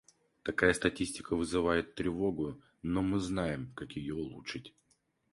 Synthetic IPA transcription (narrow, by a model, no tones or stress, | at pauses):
t̪ɐkajəst̪ɐtʲisʲtʲɪkəvɨzɨvajɪt̪ːɾʲɪvo̞ɡʊ | nomɨznajɪmkakjɪjoʊlˠut͡ʂɨtʲ